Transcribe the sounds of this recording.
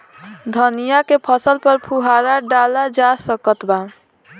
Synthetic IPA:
d̪ʱənijakepʰəsəlpəɾpʰuɦaɾaɖalad͡ʒasəkət̪ba

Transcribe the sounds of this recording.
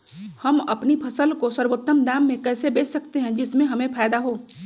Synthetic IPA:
hɐmɐpnipʰɐsəlkosəɾwoːt̪ːəmd̪aːmːẽkɛːsebeːt͡ʃsɐkt̪eɦɛ̃d͡ʒɪsmẽɦɐmẽpʰaːd̪aɦoː

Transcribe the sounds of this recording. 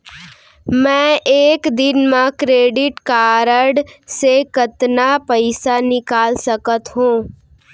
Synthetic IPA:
mɛ̃eːkd̪ɪnmãkɾeːɖɪʈkaːɾəɖsekət̪napəɪsanɪkaːlsəkət̪ɦũː

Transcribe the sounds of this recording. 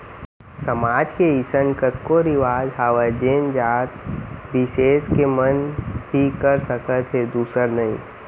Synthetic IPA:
səmaːd͡ʒkeɪsənkət̪koɾiʋaːzɦaːʋad͡ʒeːnd͡ʒaːt̪̚bɪʃeːskemənbʱikəɾsəkət̪ɦed̪uːsəɾnɐɦḭ̃ː

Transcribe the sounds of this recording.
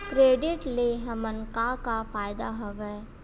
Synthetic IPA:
kɾeːɖɪʈleɦɐmənkakafaːjd̪aɦɐʋɛː

